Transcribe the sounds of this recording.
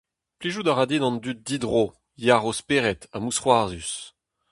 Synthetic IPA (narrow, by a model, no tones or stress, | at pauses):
pliʒud̪aʁad̪idɑ̃nd̪yt̪̚d̪id̪ʁo | jaʁospeːʁɛt̪amusχwaʁzys